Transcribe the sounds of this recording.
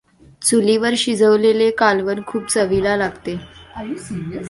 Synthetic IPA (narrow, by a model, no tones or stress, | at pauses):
t͡suliʋəɾɕid͡zʱəʋlelekalʋənkʰuːp̚t͡səʋilalaɡt̪e